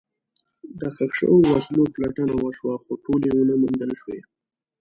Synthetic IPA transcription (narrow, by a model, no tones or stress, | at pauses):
d̪əxakʂə̰wowasnoplaʈənawəʃwaxoʈolewunəmund̪əlʃwe